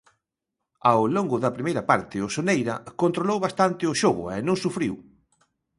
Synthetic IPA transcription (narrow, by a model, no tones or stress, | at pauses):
awloŋɡʊðɐpɾimejɾɐpaɾt̪ɪʊsonejɾɐkont̪ɾolowβast̪ant̪ɪʊʃoɣʊ̰ɛnõŋsufɾiw